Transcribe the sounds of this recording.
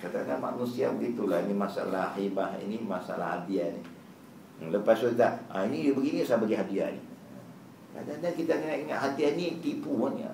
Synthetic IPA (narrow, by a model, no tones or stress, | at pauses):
kadanama̰nusiabəɡit̪ulainimasa̰lahibaɦḭnimasa̰la̰hadianḭ | ləpasukit̪aainijubəɡinisabaɡiɦadia̰nḭ | a̰daniankit̪anəŋaʔiŋaʔɦad̪ianit̪ipuana̰